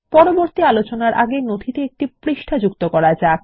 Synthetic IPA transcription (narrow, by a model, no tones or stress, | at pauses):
pɔɾoboɾt̪ialot͡ɕonaɾʔa̰ɡenod̪ʱit̪eek̚ʈipɾiʃʈʰad͡ʑukt̪okɔɾad͡ʑa